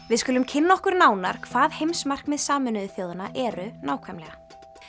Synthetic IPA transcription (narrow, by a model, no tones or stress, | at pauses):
vɪðskʏːlʏmcʰɪnːaɔhkʏɾnaːwnaɾ̥kʰvaːðhejmsmar̥kmɛðsaːmʏnʏðʏθjoːwðanaʔɛɾʏnaːwkʰvɛmlɛɣa